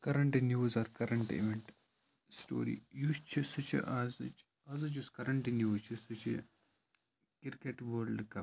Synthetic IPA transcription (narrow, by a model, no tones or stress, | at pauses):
kɐɾɐɳʈinjuːzɐɾkɐɾɐɳʈḛʋeɳʈ | sʈo̰ːɾḭjust͡ʃʰisɨt͡ʃʰḭʔazɨt͡ʃ | ɐːzɐt͡ʃuskɐɾɐɳʈinjuːt͡ʃʰisɨt͡ʃʰḭ | kiɾkeʈʋoɾɖkɐ